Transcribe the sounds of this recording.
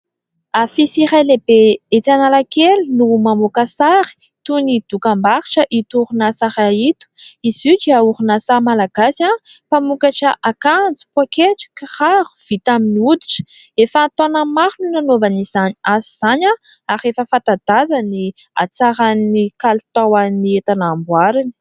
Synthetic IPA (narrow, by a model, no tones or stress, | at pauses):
afisiɾajlebeet͡s̪analakelinumamukasaɾi̥ | t̪unid̪̥ukambaɾiʈ͡ʂəʔit̪uuɾunasaɾait̪u̥izud͡ʒiauɾunasamalaɡ̥asapamukaʈ͡ʂəʔakand͡zi̥pwakeʈ͡ʂə̥kiχaɾu̥v̥it̪aminiud̪i̥ʈ͡ʂə̥efaːt̪onamaɾununanovanizaniaziz̥aɲaaχefəfat̪ad̪azania̰t͡saɾanːikalt̪awanniet̪anːmbwaɾanə̥